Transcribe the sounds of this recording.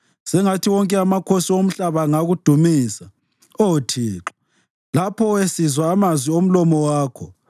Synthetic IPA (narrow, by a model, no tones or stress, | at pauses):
sɛŋatʰiwɔŋkʼɛamakʰosiom̩ɬaβaŋaɣud̥ʱumiːsa | otʰiːǁɔ̥ | lapʰɔwesizwaːmazwiom̩lɔmɔwaːkʰɔ